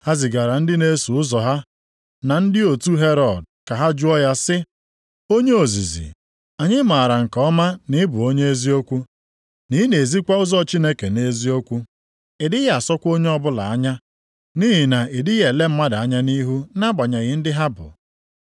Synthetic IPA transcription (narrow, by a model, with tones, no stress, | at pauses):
ha˦zɪ˨ɡa˨ɾa˨n̩˦dɪ˦ne˦su˨ʊ˦zɔ˨ɦa˦ | na˨n̩˦dɪ˦o˨tu˦ɦe˦ɾɔ˨d̚ka˨ɦa˦d͡ʒu˦ɔ˦ja˦sɪ˦ | o˦ɲe˦o˨zḭ˨zḭ˨ | a˨ɲɪ˦ma˨ɾa˨ŋ̩˨kɔ˨ɔ˦ma˦nɪ˦bʊ˨o˦ɲe˦e˦zi˦o˦kʷu˦ | ni˦ne˨zi˦kʷa˦ʊ˦zɔ˦t͡ʃi˦ne˦ke˨ne˦zi˦o˦kʷu˦ | ɪ˨dɪ˦ɣa˨sɔ˦kʷo˦ɲe˦ɔ˦bʊ˦la˨a˦ɲa˦ | ni˦ɦɪ˨na˨ɪ˨dɪ˦ɣje˨le˦m̩˦ma˦da˨a˦ɲa˦ni˦ɦu˦na˦ɡ͡ba˨ɲa˨ɣɪ˨˦n̩˦dɪ˦ɦa˦bʊ̰˨